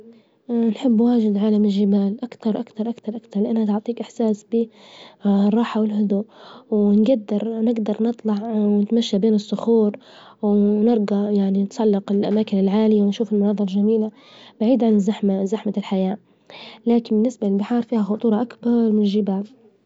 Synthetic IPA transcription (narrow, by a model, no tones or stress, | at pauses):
nħɪbːwaːʒɪd̪ʕaːlamɪlːɪbaːlʔakt̪ɑɾˤʔakt̪ɑɾˤʔakt̪ɑɾˤʔakt̪ɑɾˤlɪʔanhat̪ʊʕt̪ˤiːkʔɪħsaːsbi | rˤːɑːħawɪlhʊd̪uʔwɪnɡad̪ːɑɾˤnɪɡd̪ɑɾˤnɨt̪ˤlɑʕwnɪt̪maʃːabeːnɨsˤːʊxuːɾwnɪɾˤɡajaʕninsˤɑlːɪqɪlʔamaːkɪnɪlʕaːlɪjawɪnʃuːfɪlmʊnɑːðˤɑɾˤʒamiːla | baʕiːd̪ʕanɪzaħmazaħmalħajaː | laːkɪnbɪnːɪsbalɪlbɪħɑːɾˤfiːhaxʊt̪ˤuːɾˤɑʔakbɑɾˤmɪnɪʒɪbaːl